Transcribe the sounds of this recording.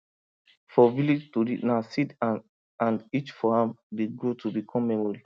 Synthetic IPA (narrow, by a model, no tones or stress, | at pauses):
fɔvilid͡ʒtuɾḭnasid | ãndit͡ʃfɔãmdeɡɹotubikʰɔ̃mːɛmɔɹi